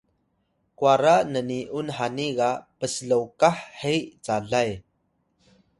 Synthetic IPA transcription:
kwaɾaʔnəniʔunɦaniɣaʔpəsəlowkaħhejʔt͡saɮaj

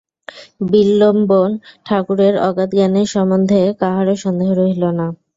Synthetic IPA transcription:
bilːombonʈʰakuɾeɾɔɡat̪ɡaneɾʃɔmond̪ʱekaɦaɾoʃɔnd̪eɦoɾoɦilona

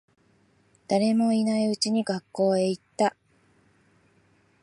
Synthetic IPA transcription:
d̪̥aɾe̞mo̞inaiɯ̟t͡ɕiɲ̟iɡakːo̞ːeit̪ːa

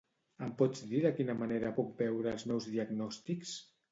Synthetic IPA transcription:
əmpɔd͡zd̪iðəkinəmaneɾəpuk̚bɛwɾəːlˠznɔwzðiəɡnɔst̪iks

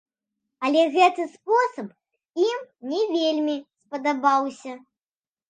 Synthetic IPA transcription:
ɐlʲɛɣɛt̪ɨspɔsɐp | imnʲɛvʲelʲmʲispɐd̪abawsʲɐ

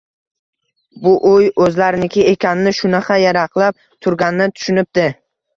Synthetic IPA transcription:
bʊʔojɵzlaɾɪnɪkʲʰɪe̞kʲʰanɪnɪʃʊnɑqʰɑjaɾɑqlˠap̚ | t̪ʰʊɾɡʲanɪnɪt̪ʰʊ̥ʃɪnɪp̚d̪ɪ

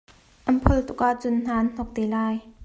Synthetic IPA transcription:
ʔɐnpʰɔlt̪ʊk̚ʔaʔt͡sʊnn̥aːnn̥ɔk̚t̪eːlaːj

